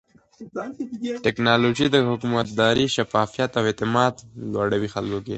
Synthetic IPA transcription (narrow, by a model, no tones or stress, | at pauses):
ʈɪknɑloʒid̪əhʊkumat̪̚d̪ɑɾiʃafɑfijat̪awet̪ɪmɑd̪lwaɽawixalkokḛ